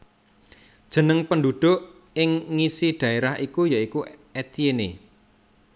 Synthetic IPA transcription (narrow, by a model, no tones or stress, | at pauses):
d̥ʒ̥ə̤nəŋpənɖuɖ̪̥o̤ʔ | ɪŋːisiɖ̪̥ä̤eɾaɦikujaikuet̪iene